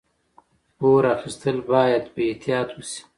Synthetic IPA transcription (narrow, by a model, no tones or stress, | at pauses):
poɾaxist̪əlbɑːjad̪beet̪ʰijɑːt̪wusi̥